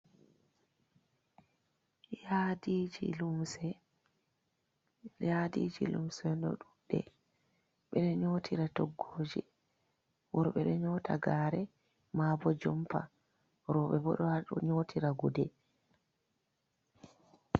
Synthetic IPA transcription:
jadid͡ʒilumsɛ | jadḭd͡ʒilṵmsɛndɔɗuɗɛ̰ | ɓɛɗɛɲoːtʰiɾatɔɡːoːd͡ʒi | wɔɾɓɛɗɛɲɔtʰaɡaːɾɛ | mabɔd͡ʒɔmfa̰ | ɾɔɓɛbɔ̰ɗɔhaɗɔɲoːtʰiɾaɡudɛ

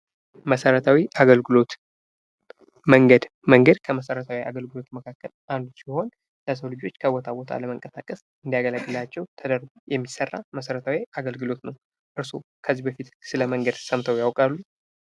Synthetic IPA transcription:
məsəɾət̪ʰawiʔaɡəlɡɨlo̞t̪ | məŋɡəd̪ | məŋɡəd̪kʰəməsəɾət̪ʰawia̰ɡəlɡɨlo̞t̪məkʰakːəlʔand̪usiho̞n | ləs̬əwlɨd͡ʒo̞t͡ʃːkʰəwɔt̪ʰawɔt̪ʰa̰ləməŋkʼəsakʼəs | ʔɨnd̪iaɡələɡːɨlat͡ʃːɛwt̪ʰəd̪əɾɡujɛmːisərːa̰məsəɾət̪ʰawiaɡəlɡɨlo̞t̪nəw | ʔɨɾsukʰəzːibəfit̪sɨləməŋɡəd̪səmt̪ʰəwjawkʼalːu

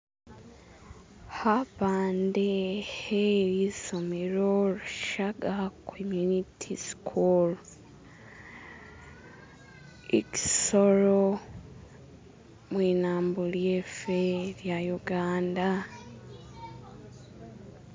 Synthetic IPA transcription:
haβaːndeheɾisomeɾoɾuʃaɡakʰomjunitʰiskʰul | ḛci̥soɾo | mwiːnaːmbuljefeɾjajuɡaːnda

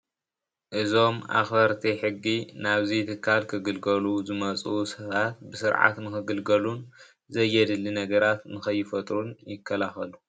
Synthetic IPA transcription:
ʔɨzo̞mʔa̰xfɐɾt̪ʰiħɨɡːinaβzijt̪ʰɨkʰːalkʰɨɡɨlɡɐluzɨmɐt͡sʼusɐβat̪bɨsɨɾʕa̰t̪mɨxɨɡɨlɡɐlun | zɐjːɛd̪ɨlːinɐɡɐɾat̪nɨxɐjːɪfɐt̪ʼɾunjɪkʰːɐlaxɐlu

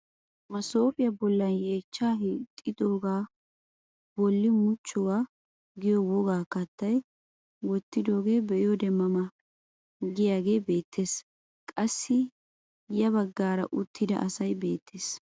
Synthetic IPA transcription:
mɐso̞ːpʼɪjɐbɔlːɐnje̞ːt͡ʃːaːɦit̪ʼːɪd̪o̞ːɡaː | bɔlːɪmʊt͡ʃːɔwaː | ɡɪjɔwɔɡaːkɐt̪ːɐj | wɔt̪ːɪd̪o̞ːɡe̞ːbɛʔɪjɔd̪ɛmːɐmɐ | ɡɪjaːɡe̞ːbe̞ːt̪ʰːe̞ːs | kʼɐsːɪ | jɐβɐɡːaːɾɐ̰ʔʊt̪ʰːɪd̪ɐ̰ʔɐsɐjbe̞ːt̪ʰːeːs

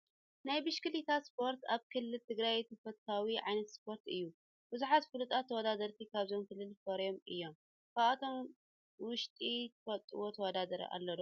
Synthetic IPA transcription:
najbɨʃkɨlit̪ʰaspʰo̞ɾt̪aβkʰɨlːɨlt̪ʰɨɡɾajt̪ʰɐfɐt̪t̪ʰawiʕajnɐt̪spʰo̞ɾt̪ɨjːu | b̥ɨzuħat̪fɨlut̪ʼat̪ʰːɐwɔd̪ad̪ɐɾt̪ʰikʰaβzo̞mkʰɨlːɨlfoɾjo̞mɨjːo̞m | kʰaat̪ʰo̞m | wʊʃt̪ʼit̪ʰɐfɐt̪ʼɨ̰wot̪ʰɐwɔd̪ad̪ɐɾɐ̰ʔa̰lːɐd̪o

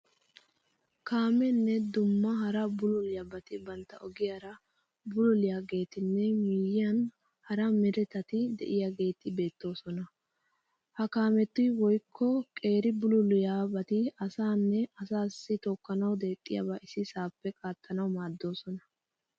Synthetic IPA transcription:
kaːmɛnːɛd̪ʊmːɐɦɐɾɐbʊlʊlɪjabɐt̪ɪbɐnt̪ːɐʔɔɡɪjaɾɐ | bʊlʊlɪjaɡe̞ːt̪ɪnːɛmijɪjɐn | hɐɾɐmɪɾɛt̪ɐt̪ɪd̪ɛ̰ʔɪjaɡe̞ːt̪ɪbe̞ːt̪ːo̞ːsɔnɐ | hɐkaːmɛt̪ːʊjwɔjkʰːɔkʼe̞ːɾɪbʊlʊlʊjaːbɐt̪ɪɐsaːnːɛɐsaːsːɪt̪ɔkːɐnɐwd̪e̞ːkʼːɪjɐ̰baʔɪsɪsaːpːɛkʼaːt̪ːɐnɐwmaːd̪ːo̞ːsɔnɐ

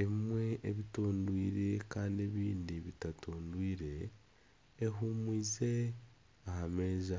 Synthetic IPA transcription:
emimwe̞ʔeβitoːndwiːɾe̞kaːndieβiːndiβitatʰoːndwiːɾe̞ː | ɦumwiːze | ahameːza

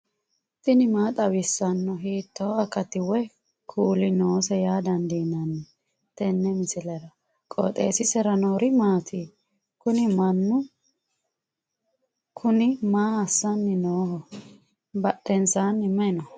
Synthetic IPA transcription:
t̪ʼɪnɪmaːt̪ʼɐbɪsːɐnːɔɦiːt̪ːoɐkːɐt̪ɪwɛ | kʰuːlɪnoːsɛjaːd̪ɐnd̪iːnːɐnːɛ | t̪ɛnːɛmɪsɪlɛɾɐ | kʼɔ̰t̪ʼeːsɪsɛɾɐnoːɾɪmaːt̪ʰi | kʊnɪmɐnːʊ | kʰʊnɪmaːɐsːɐnːɪnoːhɔ | bɐɗɛnsanːɪmɛnɔ

